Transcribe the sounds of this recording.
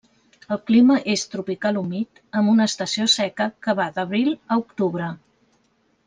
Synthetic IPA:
əlˠkliməʔest̪ɾupikalumit̪ | əmbunəːst̪əsiosɛkəkəβaðəβɾilˠəukt̪uβ̞ɾə

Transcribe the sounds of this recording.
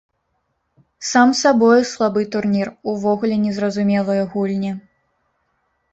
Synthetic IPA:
samsabɔjɛslˠabɨt̪urnʲiruvɔɣulʲɛnʲɛzrɐzumʲɛlˠɨjɐɣulʲnʲi

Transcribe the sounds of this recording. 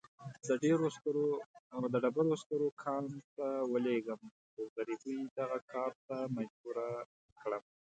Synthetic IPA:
d̪əɖeɾostɾod̪əɖabalost̪əɾokʰɑnt̪awəleɡəm | oɣaɾibujd̪aɣakʰɑɾt̪amad͡ʒbuɾa | kɽəm

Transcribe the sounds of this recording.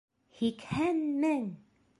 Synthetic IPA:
hikhænmɘŋ

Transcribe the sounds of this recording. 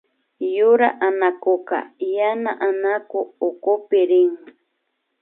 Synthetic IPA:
jʊɾa̰ʔanakoka̰janaʔanakoːkopɪɾɪŋ

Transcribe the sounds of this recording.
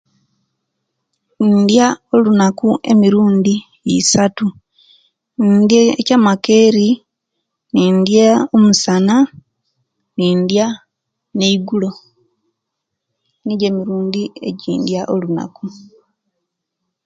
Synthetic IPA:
ndjao̞lunakuʔe̞miɾuːndi | isatu | ndjeecamake̞ːɾi | niːndjaomusana | niːndja | neiɡulo̞ | niɟe̞miɾuːndie̞̰ɟiːndjaʔo̞luna̰ku

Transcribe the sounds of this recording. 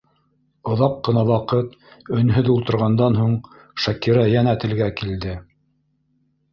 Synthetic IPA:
ŏðɑqːɤ̆nɑwɑqɤt̪ɵ̆nɦɵðulˠt̪ɤ̆ɾʁɑnd̪ɑnɦuɴ | ʃækiɾæjænæt̪ɘ̆lɡækild̪ɘ

